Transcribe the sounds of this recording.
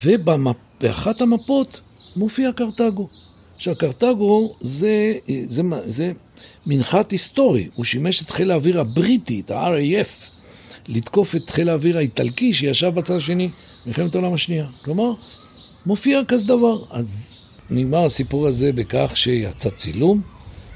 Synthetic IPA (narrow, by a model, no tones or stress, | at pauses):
ve̞bama | b̥ea̰χathamapo̞t̪ | mo̞fiakaʁt̪aɡo̞ | ʃeakaʁt̪aɡo̞zezemaze | minχat̪hist̪o̞ʁḭuʃime̞ʃet̪χe̞laːviʁabʁitiet̪ha̰aʁejef | lit̪ko̞fe̞t̪χe̞laːviʁhait̪alkiʃejaʃavbat͡sad̪aʃe̞nimiχemet̪aolamhaʃniaklo̞maʁ | mo̞fiakazed̪avaʁaz | niɡmaʁasipuʁaze̞bekaχʃe̞ja̰t͡sat͡silum